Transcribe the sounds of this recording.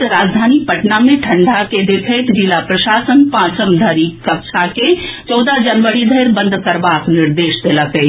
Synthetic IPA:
ɾaːd͡ʒd̪ʱaːnipəʈnamẽʈʰəɳɖʱaked̪ekʰəjt̪d͡ʒilapɾəʃaːsənpãːt͡ʃəmd̪ʱəɾikəkʃʰaket͡ʃɔːd̪ad͡ʒənʋəɾid̪ʱəɪɾbə̃nd̪ʱkəɾbaknɪɾd̪eːʃd̪eləkə

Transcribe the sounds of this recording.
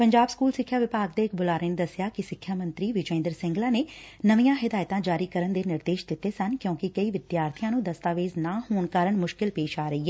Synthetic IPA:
pəɲd͡ʒaːbskuːlsɪkʰːjaːʋɪpaːɡd̪eːɪkbʊlaːɾeːned̪əsɪjaːkɪsɪkʰjaːmə̃nt̪ɾiːʋɪd͡ʒɛ̃ːnd̪əɾsɪ̃ŋɡlaːneːnəʋijãːɦɪd̪aːjt̪ãːd͡ʒaːɾiːkəɾənd̪eːnɪɾd̪eːʃd̪ɪt̪ːeːsənkjõːkɪkəiːʋɪd̪jaːɾt̪ʰɪjãːnũːd̪əst̪aːʋeːznaːhoːɳkaːɾəɳmʊʃkɪlpeːʃaːɾəiːɛː

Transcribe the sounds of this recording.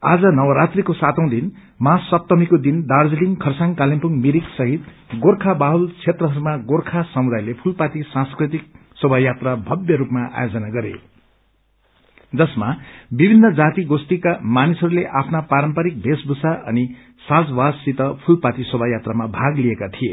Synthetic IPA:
ad͡zʌnʌwʌɾat̪rikosat̪ʌ̃w̃d̪in | masːʌp̚t̪ʌmikod̪ind̪ard͡zliŋkʰʌrsaŋkalimpuŋmiɾiksʌɦit̪ | ɡorkʰabaɦult͡sʰet̪rʌɦʌɾumaɡorkʰasʌmud̪ajlepʰulpat̪isãskrit̪ik̚ | sʌbʱajat̪rabʱʌbjʌɾupmaʔa̰jod͡zʌnaɡʌɾḛ | d͡zʌsmabibʱinːʌd͡zat̪iɡost̪ikamanisʌɾuleʔapʰnapaɾʌmpaɾik̚bʱesbʱusaʔʌni | sad͡zwait̪ʌpʰulpat̪isʌbʱajat̪ramabʱaɡliekat̪ʰije

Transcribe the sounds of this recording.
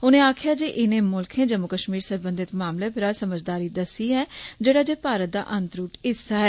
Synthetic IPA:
ʊnẽːaːkʰjaːd͡ʒeːʔɪnẽːmʊlkʰẽːd͡ʒəmːʊkəʃmiːɾsəɾbə̃nd̪ɪt̪maːmleːpʰɪɾaːsəməd͡ʒd̪aːɾiːd̪əsiːɦɛːd͡ʒeːɽaːd͡ʒeːpaːɾət̪̚d̪a̰ːʔənt̪ɾuːʈɪsːaːɦɛː

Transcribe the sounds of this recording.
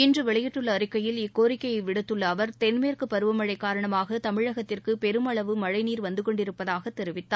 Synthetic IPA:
ɪndrɯʋɛɭɐjɪʈːɯɭːɐːɾɪkːɐjɪlɪkːoːɾɪkːɐjɐɪʋɪɽɯt̪ːɯɭːɐːʋɐɾt̪ɛnmeːrkɯpɐɾɯʋɐmɐɻɐɪkːaːɾɐɳɐmaːɣɐt̪ɐmɪɻɐɣɐt̪ːɪrkɯpɛɾɯmɐɭɐʋɯmɐɻɐɪniːɾʋɐnd̪ɯkɔɳɖɪɾɯpːɐðaːɣɐt̪ːɛɾɪʋɪt̪ːaː

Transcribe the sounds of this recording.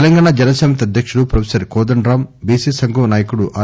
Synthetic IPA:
lɐŋɡaːɳaːd͡ʒɐnɐsɛːmɐt̪iɐd̪ʱjɐkʂuɽupɾɐʋʰsɐɾkɔːd̪ɐɳɖɾaːmbiːsiːsɐŋɡʱoːnaːjɐkuɽuʔaː

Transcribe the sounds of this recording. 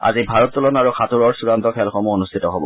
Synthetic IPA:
a̰zibʱaɹɔtːɔlɔnaɹuxʰatuɹɔɹsuɹant̪ɔkʰɛlxɔmuonust̪ʰitɔɦobɔ

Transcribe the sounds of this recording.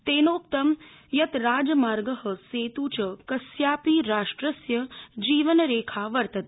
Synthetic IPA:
t̪eːnoːk̚t̪ɐm | jɐt̪ɾaːd͡ʒɐmaːɾɡəɦɐ̆seːt̪uːt͡ʃɐkɐsjaːpiːɾaːʂʈɾɐsjɐd͡ʒiːʋənɾeːkʰaːʋɐɾt̪ɐt̪̚

